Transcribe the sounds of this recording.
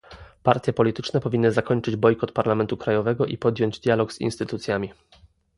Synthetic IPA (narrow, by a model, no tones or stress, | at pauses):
paɾt̪ʲjɛpɔlʲit̪ɘt͡ʂnɛpɔvʲinːɘzakɔɲt͡ʂɘd͡ʑbɔjkɔt̪paɾlamɛnt̪ukɾajɔvɛɡɔʔḭpɔd̪jɔɲd͡ʑd̪ʲjalɔɡz̥ḭnst̪ɘt̪ut̪sʲjamʲi